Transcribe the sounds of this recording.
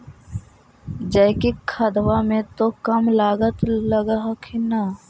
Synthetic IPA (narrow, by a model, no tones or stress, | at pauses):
d͡ʒəɪkikʰəd̪wamẽt̪okəmlaːɡət̪ləɡaɦkʰina